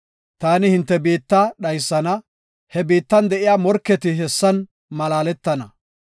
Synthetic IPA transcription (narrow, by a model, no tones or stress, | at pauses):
t̪aːnɪhɪnt̪ːɛbiːt̪ːɐɗɐjsːɐnɐ | hɛbiːt̪ːɐnd̪ɛʔɪjaːmɔɾkːɛt̪ɪɦɛsːɐn | mɐlaːlɛt̪ːɐnɐ